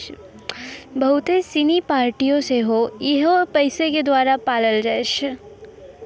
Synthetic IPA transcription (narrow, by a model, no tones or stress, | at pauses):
bɐɦʊt̪esinipaːɾʈijõseɦojeɦopɐɪseked̪waːɾapaːləlɾɐʃ